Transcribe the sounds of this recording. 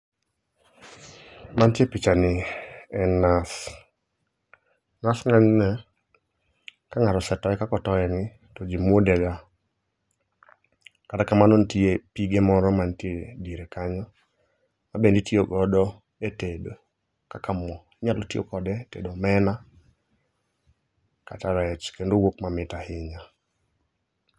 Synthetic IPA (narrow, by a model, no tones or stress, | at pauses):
mantjepit͡ʃanɪɛnas | nasŋaɲnɛ | kaŋaɾɔsɛtɔɛkakɔtɔɛŋɪ | tɔd͡ʒimwodɛɡa | katakamanontiepiɡemɔɾɔmantiediɾekaɲɔ | mabenditioɡɔdɔ | etedo | kakamɔɲalotio̰kɔdɛtḛdɔmɛna | kataɾɛɛt͡ʃkendowokmamɪtahɪɲa